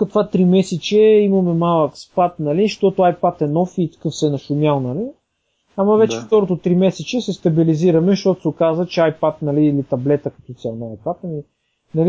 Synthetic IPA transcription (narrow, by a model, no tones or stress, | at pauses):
kɐt̪vat̪ɾimɛsɛt͡ʃɛimɐmɛmalˠəkspat̪̚nɐliʃt̪ɔt̪ʊajpat̪ɛnɔfit̪ɐ̥kɤfsɛnɐʃʊmʲjalˠnɐli | amɐvɛt͡ʃɛft̪ɔɾot̪ot̪ɾimɛsɛt͡ʃɛsɛst̪ɐbiliziɾɐmɛʃt̪ot̪ʊsɛʊkazət͡ʃɛajpat̪nɐliːlit̪ɐblɛt̪əkɐ̥t̪ɔt̪sʲalˠnajpat̪nɐli | nɐli